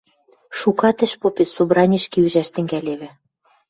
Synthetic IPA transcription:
ʃukɑt̪ɘ̆ʃpopesubɾɑnʲiʃkiyʒæʃt̪ɘ̆ŋɡælʲeβɘ̆

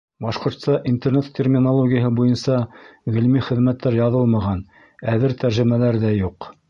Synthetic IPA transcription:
bɑʃqŏɾt̪st̪ɑʔint̪ernet̪ʰʲːermʲɪnolˠoɡʲɪjəɦɤbujɤnsɑʁɘ̆lmiχɘ̆ðmæt̪ʰːæɾjɑðɤlˠmɑʁɑn | æðɘɾt̪æɾʒɘ̆mælæɾðæjuq

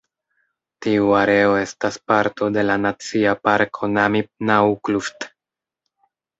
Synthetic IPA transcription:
tiuaɾe̞o̞e̞staspaɾtʰo̞de̞lanat͡siapaɾkʰo̞naminaukluft

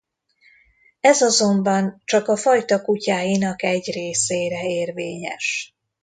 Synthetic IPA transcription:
ɛzɒzo̞mbɒnt͡ʃɒkɒfɒjt̪ɒkucaːjinɒkɛɟreːseːɾɛeːrveːɲɛ̰ʃ

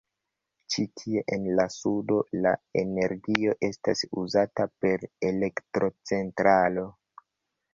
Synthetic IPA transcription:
t͡ʃitʰie̞ʔenlasudo̞lae̞̰ne̞ɾɡio̞ʔe̞stasuzatape̞ɾe̞le̞ktɾo̞t͡se̞ntɾalo̞

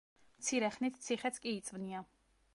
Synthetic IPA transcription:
mt̪sʰiɾɛχnit̪ʰt̪sʰiχɛt̪sʰkʼiːt̪sʼvnia

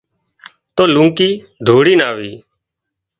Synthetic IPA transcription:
t̪oːlũːkiː | d̪ʱoːɽiːnaːʋiː

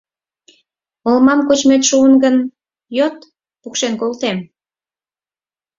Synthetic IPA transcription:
olmɑmkot͡ɕmet̪ʃuənɡən | jot̪ | pukʃenkolt̪em

